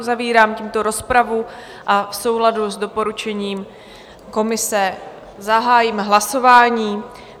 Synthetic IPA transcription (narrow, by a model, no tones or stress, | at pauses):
uzaviːɾaːmciːmt̪oɾo̞spɾavu | ʔafso̞wɦladuzdo̞po̞ɾut͡ʃɛɲiːm | ko̞mɪsɛ | zaɦaːjimɦlaso̞vaːɲiː